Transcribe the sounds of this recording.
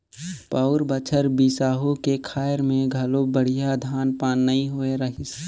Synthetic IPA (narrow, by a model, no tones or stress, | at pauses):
pəʊɾbət͡ʃʰəɾbisaːɦokekʰaːəɾmẽɡʱɐlobəɽ̤ijad̪ʱaːnpaːnːɐĩɦoeɾəɦɪs